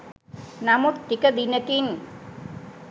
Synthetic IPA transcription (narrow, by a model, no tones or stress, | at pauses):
nɐmut̪ːikɐd̪inɐkin